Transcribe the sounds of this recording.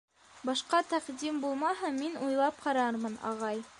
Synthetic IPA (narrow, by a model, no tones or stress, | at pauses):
bɑʃqɑt̪æqd̪imbulˠmɑɦɤminujlˠɑp̚qɑɾɑɾmɤnɑ̰ʁɑj